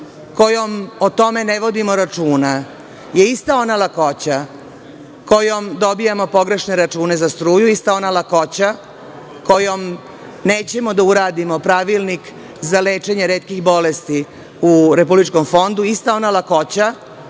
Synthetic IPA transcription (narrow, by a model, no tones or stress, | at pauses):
ko̞jo̞mot̪o̞me̞neʋo̞d̪imo̞ɾat͡ʂuːna | je̞ist̪ao̞nalako̞t͡ɕa | kojomd̪o̞bijamo̞po̞ɡɾe̞ʃne̞ɾat͡ʃuːne̞zast̪ɾuːjuist̪ao̞nalako̞t͡ɕa | ko̞jo̞m | ne̞ːt͡ɕe̞mo̞d̪auɾaːd̪imo̞pɾaʋilnik | zale̞ːt͡ʃe̞ɲeɾeːt̪̚kixbo̞lest̪i | uɾe̞publit͡ʃko̞mfo̞nd̪uist̪ao̞nalako̞t͡ɕa